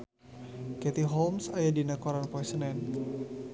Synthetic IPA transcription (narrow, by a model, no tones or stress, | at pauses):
kɛt̪iɦɔlmsajadinakɔɾanpoɛsənɛn